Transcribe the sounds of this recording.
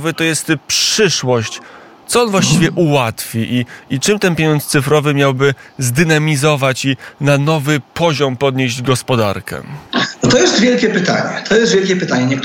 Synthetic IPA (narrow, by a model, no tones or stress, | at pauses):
vɘt̪ɔjɛst̪pʂʂɘʂwɔɕt͡ɕ | t̪sɔɔnvwaɕt͡ɕivʲjɛʔuwat̪fʲiʔiit͡ʂɘmt̪ɛnpʲjeɲɔnt̪st̪sɘfɾɔvɘmʲjawbɘzd̪ɘnamʲizɔvat͡ɕinanɔvɘpɔʑɔmpɔd̪ɲeʑd͡ʑɡɔspɔd̪a̰ɾkɛ̰ɔt̪ɔjɛst̪vʲjɛlkʲɛpɘt̪a̰ɲɛ̰t̪ʰɔjɛst̪vʲɛlkʲɛpɘt̪aɲɛɲɛkt̪